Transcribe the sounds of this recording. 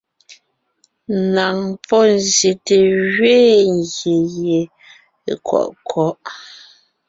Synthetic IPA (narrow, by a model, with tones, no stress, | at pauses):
na˨ŋpɔ˦˨nzje˨te˨ɣɥeː˦ŋ˨ɡje˨je˨ | kwɔ̰˨ʔkʰwɔ˨˦ʔ